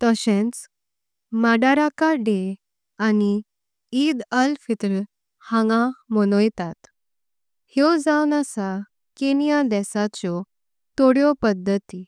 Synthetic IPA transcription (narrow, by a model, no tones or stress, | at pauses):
t̪əɕẽnt͡s | maɖaɾakaɖe | ani | id̪əlfit̪ɾə | hãŋɡãmɔnɔjt̪at̪ | hjɔd͡zawnasa | kenijad̪ɛsat͡ɕɔ | t̪oɽjɔpəd̪ʱːət̪i